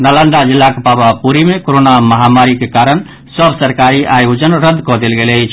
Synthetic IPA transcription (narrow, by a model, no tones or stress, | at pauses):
nələnd̪ad͡ʒilːakepabapuɾimekoɾonaməɦamaɾikekaɾən | səbsəɾkaɾiʔajud͡ʒənɾəd̪ːkɔd̪elɡelət͡ʃʰ